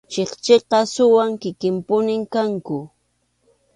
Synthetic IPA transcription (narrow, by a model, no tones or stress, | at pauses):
t͡ʃeχt͡ʃeqɑsʊwaŋkɪkɪmpʊnɪŋkaŋkʊ